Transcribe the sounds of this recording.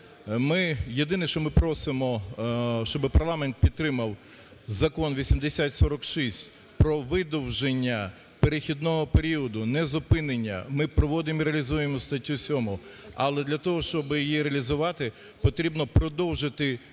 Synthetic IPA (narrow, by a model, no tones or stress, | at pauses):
mɪjed̪ɪnɪʃt͡ʃɔmɪpɾɔsɪmɔ | ʃt͡ʃɔbɪpɐrlˠɑmɛnt̪̚pʲid̪̚t̪ːɾɪmɐw | zɐkɔnʋʲisʲimd̪esʲat̪ʲsɔɾɔkʃisʲtʲ | pɾɔʋɪd̪ɔwʒenʲːɐ | peɾɪxʲid̪nɔɦɔpeɾʲiɔd̪ʊnɛzʊpɪnenʲːɐ̰mɪpɾɔʋɔd̪ɪmiɾeɐlʲizujemɔst̪ɐtʲːusʲɔmʊɐlˠɛd̪lʲɐt̪ɔɦɔʃt͡ʃɔbɪjijiɾeɐlʲizʊʋɑt̪ɪ | pɔt̪ɾʲibnɔpɾɔd̪ɔwʒɪt̪ɪ